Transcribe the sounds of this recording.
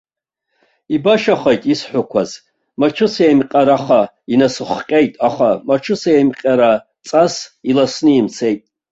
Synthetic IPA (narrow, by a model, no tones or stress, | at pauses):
ibaʃaχejtʼisħʷʊkʷʰaz | mat͡ʃʷʰʊsemqʲʼaɾaχa | inasɨχqʲʼe̞jtʼaχamat͡ʃʰʊsaemqʲʼaɾa | t͡sʼasilasnɨimt͡sʰe̞jtʼ